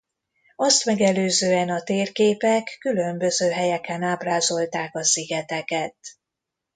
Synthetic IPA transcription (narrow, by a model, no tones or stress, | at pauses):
ɒst̪mɛɡɛløːzøːɛnɒt̪eːrkeːpɛkːylø̞mbø̞zøːɦɛjɛkɛnaːbraːzo̞lt̪aːkɒsiɡɛt̪ɛkɛt̪